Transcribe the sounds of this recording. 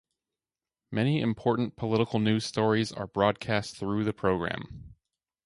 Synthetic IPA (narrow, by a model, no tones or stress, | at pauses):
mɛñiɨ̰̃mpʰɔɹʔn̩pʰəlɪɾəkl̩ˠnʉz̥stɔɹizə̰˞bɹɔd̚kʰæsθɹʉðɨpʰɹ̥oʊɡɹæ̰̃m